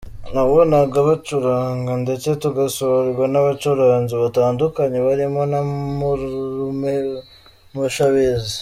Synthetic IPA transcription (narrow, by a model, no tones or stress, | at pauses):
nawonaɡaβat͡ʃuɾaːŋɡande̞t͡se̞tuɡasoɾɡwanaβat͡ʃuɾaːɲziβataːndukaɲe̞βaɾimo̞namuume | muʃaβezi